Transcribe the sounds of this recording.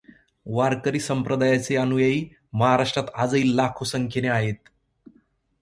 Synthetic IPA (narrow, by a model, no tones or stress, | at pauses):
ʋaɾkəɾiːsəmpɾəd̪ajat͡seənujaiː | məɦaɾaʂʈɾat̪ad͡zəiːllakʰosəŋkʰeneaɦet̪̚